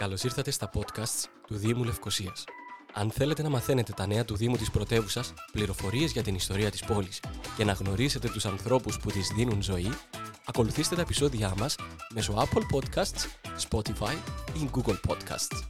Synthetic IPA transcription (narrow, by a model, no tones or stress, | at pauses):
kɐlo̞siɾθɐt̪e̞st̪ɐpo̞t̪kɐst̪st̪uðimule̞fko̞siɐsɐ̰nθe̞le̞t̪e̞nɐmɐθe̞ne̞t̪e̞t̪ɐne̞ɐt̪uðimut̪ispɾo̞t̪e̞vusɐspliɾo̞fo̞ɾie̞zʝɐt̪inist̪o̞ɾiɐt̪i̥spo̞lisce̞nɐɣno̞ɾise̞t̪e̞t̪usɐnθɾo̞pusput̪izðinunzo̞iɐko̞luθist̪e̞t̪ɐepiso̞ðiɐmɐsme̞so̞ɐpolpo̞d̪kɐst̪sspo̞t̪ifɐjiɡuɡolpʰo̞̰d̪kɐ̰st̪s